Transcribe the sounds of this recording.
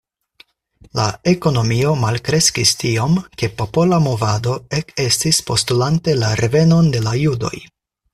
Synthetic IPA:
la̰e̞ko̞no̞mio̞malkɾe̞skistiomke̞po̞po̞lamo̞vado̞eke̞stispo̞stulante̞laɾe̞ve̞no̞nde̞lajudo̞̰j

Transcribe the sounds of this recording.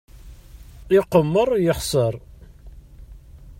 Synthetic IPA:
ɪqːəmːəɾˤjəχsˤəɾˤ

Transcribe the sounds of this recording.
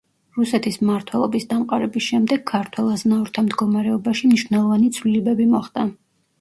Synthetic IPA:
ɾusɛt̪ʰismaɾt̪ʰwɛlˠɔbisd̪amqʼaɾɛbisʃɛmd̪ɛɡkʰːaɾt̪ʰwɛlˠaznaɔɾt̪ʰamd̪ɡɔmaɾɛɔbaʃimniʃwnɛlˠɔvanit̪sʰvlilɛbɛbimɔχd̪ʼa

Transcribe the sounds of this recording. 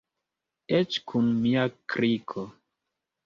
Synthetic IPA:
et͡ʃkʰunmiakɾikʰo

